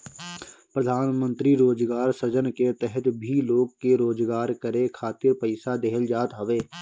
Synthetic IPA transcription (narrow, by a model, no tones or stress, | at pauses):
pɾəd̪ʱaːnmə̃nt̪ɾiɾoːd͡ʒɡaːɾsəd͡ʒənket̪ɛɦət̪bʱiloːɡkeɾoːd͡ʒɡaːɾkəɾekʰaːt̪ɪɾpəɪsad̪eːɦəld͡ʒaːt̪ɦəʋeː